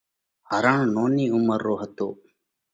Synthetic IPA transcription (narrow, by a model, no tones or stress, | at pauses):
həɾə̃ːɳnoːniːʊməɾːoːɦət̪o̰ː